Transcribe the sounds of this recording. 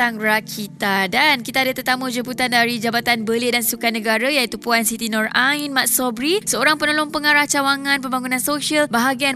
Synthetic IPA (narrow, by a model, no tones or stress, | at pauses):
aŋrakʰit̪adankit̪aːdət̪ərt̪amũd͡ʒəbut̪andaɾid͡ʒabat̪anbəledansukanə̃ɡaɾajait̪upuansit̪inɔrʔainmat̪̚sɔbɾisəoɾaŋpənoloŋpəŋaɾaht͡ʃawaŋãnpəmbaŋunãnsoʃiəlbaɦaɡian